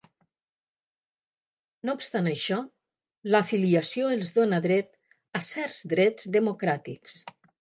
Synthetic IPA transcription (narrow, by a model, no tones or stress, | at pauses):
noupst̪anəʃɔ | ləfiliəsioelˠzðonəðɾɛt̪ | əsɛɾzd̪ɾɛd͡zðəmukɾat̪ḭks